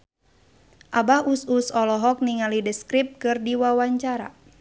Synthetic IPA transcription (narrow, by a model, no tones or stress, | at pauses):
ʔabaususɔlɔɦɔk̚niŋalidəskɾip̚kɨrdiwawaɲt͡ʃaɾa̰